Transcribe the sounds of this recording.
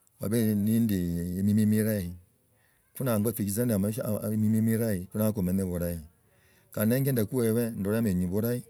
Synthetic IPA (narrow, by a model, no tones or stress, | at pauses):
wa̰benindimimimiɾai | kunaafikizandmamimimiɾaikunakomeneboɾai | kaneŋɡendakuwewɛn̩doɾmeɲibuɾai